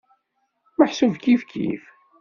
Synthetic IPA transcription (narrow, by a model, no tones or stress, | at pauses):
məħsəvkifkʰḭf